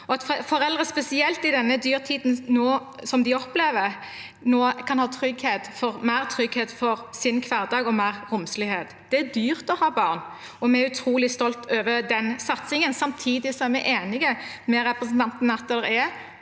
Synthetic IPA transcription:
ɔɑt̪fɔɾɛld̪ʁəspɛsɪɛlt̪ɪd̪ɛnːəd̪yːʁt̪ʰiːd̪n̩noː | sɔmd̪ɪɔpleːʋəɾ | noːkʰɑnhɑːt̪ʰɾʏɡheːt̪fɔʁmæɪʁt̪ʰʁʏɡheːt̪fɔɾsɪnkʰʋæːʁd̪ɑːɡɔmæɪʁʁʊmslɪheːt̪d̪̥ɛæd̪yːʁt̪ɔhɑːbɑːʁn | ɔmɛɛɾʉt̪ʰɾuːlɪst̪ɔlt̪ʰøːʋəd̪ɛnsɑt̪sɪŋənsɑmt̪ʰiːd̪ɪsɔæɾmɛɪʔeːnɪɡəmɛɾɛpʁəsn̩t̪ʰɑnt̪n̩ːɑt̪ːɛlːəɾɛ

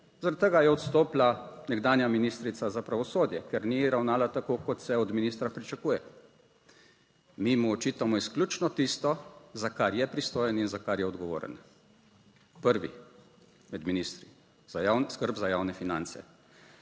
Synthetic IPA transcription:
zaɾat̪ːəɡajɛɔt̪st̪oːplanɛɡd̪aːnjaminist̪ɾit̪sazapɾaʋɔsoːd̪jɛkɛɾniɾawnaːlat̪akoːkɔt̪sɛɔd̪minist̪ɾapɾit͡ʃakuːjɛ | mimuɔt͡ʃiːt̪amɔisklʲuːt͡ʃnɔt̪ist̪ɔzakaɾjɛpɾist̪oːjɛninzakaɾjɛɔd̪ɡɔʋo̰ːɾə̰n | pəɾʋḭ | mɛd̪minist̪ɾi | zajanskəɾbzajaːwnɛfina̰nt̪sɛ̰

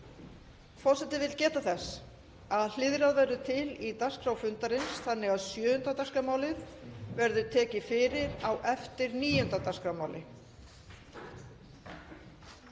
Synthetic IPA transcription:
fɔɾ̥sɛt̪ːɪvɪlcɛːt̪aθɛs | aðl̥ɪðɾaðvɛɾðʏt̪ʰɪlit̪askɾawfʏnt̪aɾɪnsθanːɛɣaðsjœːʏnt̪at̪askamaːwlɪðvɛɾðʏt̪ʰɛːcɪfɪːɾɪɾawʔɛft̪ɪɾniːjʏnt̪at̪askɾawmaːwlɪ

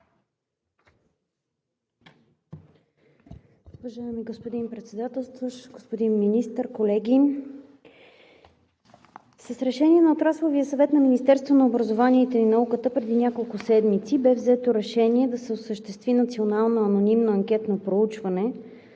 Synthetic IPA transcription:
ʊvɐʒaɛmiɡospod̪inpɾɛt̪sɛd̪at̪ɛlˠst̪voʃɡospod̪inminist̪əɾkolɛɡʲi | səsɾɛʃɛniɛnɐot̪ɾaslˠoviəsɐvɛt̪nɐminist̪ɛɾst̪vonɐobɾɐzovaniɛt̪ɛinɐukət̪əpɾɛd̪inʲakolˠkʊsɛd̪mit̪sibɛvzɛt̪oɾɛʃɛniɛd̪ɐsɛosəʃt̪ɛst̪vinɐt̪sionalˠnoɐnonimnoɐŋkʲɛt̪nopɾout͡ʃvɐnɛ

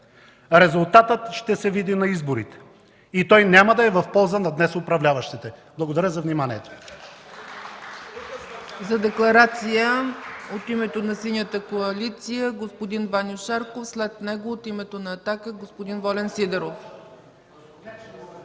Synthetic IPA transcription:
ɾɛzʊlˠt̪at̪ət̪ʃt̪ɛsɛvid̪inɐizboɾit̪ɛ̥ | it̪ɔjnʲaməd̪ɐɛvɐfpɔlˠzənɐd̪nɛsʊpɾɐvlʲavɐʃt̪it̪ɛblˠɐɡod̪ɐɾəzɐvnimaniɛt̪o̥ | zɐd̪ɛklˠɐɾat̪sijəot̪imɛt̪onɐsinʲjət̪əkoɐlit̪sijəɡospod̪invanʲjoʃaɾkofslɛt̪nɛɡoːt̪imɛt̪onɐːt̪akəɡospod̪invɔlɛnsid̪ɛɾof

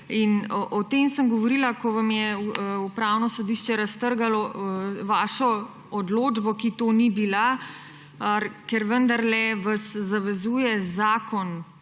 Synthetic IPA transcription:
inʔɔt̪eːmsəmɡɔʋɔɾilakɔʋamjɛupɾawnɔsɔd̪iʃt͡ʃɛɾɐst̪əɾɡalɔʋaːʃɔ | ɔd̪loːd͡ʒbɔkit̪oːnibila | kɛɾʋənd̪aɾlɛʋasːaʋɛzuːjɛzaːkɔn

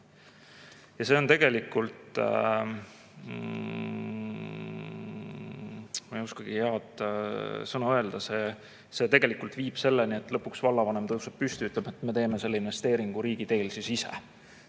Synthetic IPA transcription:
jɑse̞o̞nt̪e̞ɡ̥e̞likːult̪ | mɑejuskɑɡ̥iheɑd̪̥ | sɤnɑø̞e̞ld̪̥ɑse̞ː | se̞t̪e̞ɡ̥e̞likːˑult̪viːb̥se̞lːenie̞t̪ːˑlɤpːˑuksvɑlːɑvɑne̞mt̪ɤusep̚pyst̪yyt̪ˑleb̥met̪ːˑme̞t̪e̞ːme̞se̞lːeinve̞st̪e̞ːɾiŋɡ̥uɾiːɡ̥it̪e̞ːlsisisḛ

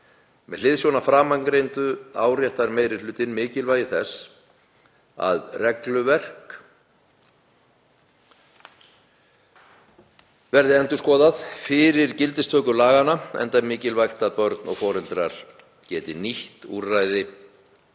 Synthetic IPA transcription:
mɛðlɪðsjownafɾaːmaŋnɾejnt̪ʏaːwrjɛht̪aɾmeːjɾɪ̥lʏːt̪ɪnmɪːcɪlvaːjɪθɛs | a̰ðrɛklʏvɛr̥k | vɛɾðɪɛnt̪ʏ̥skɔːðaðfɪɾɪɾ̥cɪlt̪ɪst̪ʰœːkʏlaːɣanaɛ̰nt̪amɪːcɪlvajxt̪aðpœɾt̪nɔ̰ɣfɔːɾɪlt̪ɾaɾ̥ | cɛːt̪ɪniht̪ṵɾːajðɪ

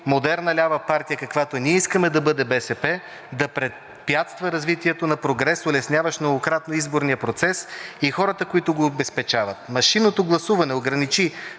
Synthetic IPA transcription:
mod̪ɛɾnɐlʲavɐpaɾt̪ijəkɐkvat̪oniɛiskəmɛd̪ɐbɤd̪ɛbɛsɛpɛ | d̪ɐpɾɛ | pjat̪st̪vəɾɐzvit̪iɛt̪onɐpɾoɡɾɛsolɛsnʲavɐʃnoɡokɾat̪noizboɾnijəpɾot̪sɛsixɔɾət̪əkoit̪ʊɡobɛspɛt͡ʃavət̪̚mɐʃinot̪oɡlˠɐsuvɐnɛoɡɾɐnit͡ʃi

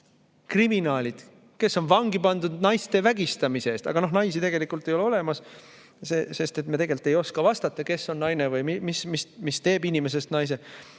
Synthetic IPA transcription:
kriminɑːlʲid̪̥ | ke̞sːo̞nvɑŋɡipɑnd̪ud̪̥nɑjst̪e̞væɡ̥ist̪ɑmiseeːst̪ɑ̰ɡ̥ɑno̞ɦnɑjsit̪e̞ɡe̞likˑult̪ːˑe̞jo̞le̞o̞le̞mɑs | sese̞st̪e̞t̪met̪e̞ɡe̞lt̪ːˑe̞jo̞skɑvɑst̪ɑt̪ːˑɑke̞sːo̞nnɑjnevɯjmimismismist̪e̞ːbinʲime̞s̬e̞st̪nɑjs̬e̞

